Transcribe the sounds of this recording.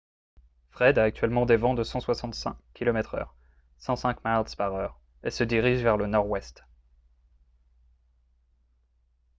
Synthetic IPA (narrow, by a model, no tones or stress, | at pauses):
fχɛd̪aːk̚t̪ɥɛlmɑ̃d̪evɑ̃d̪əsɑ̃swasɑ̃t̪sɛ̰̃kʲːilɔmɛt̪χœ̰ːʁ | sɑ̃sɛ̃kmalspaʁœːʁ | esəd̪iʁiʒvɛʁlənɔʁwɛst̪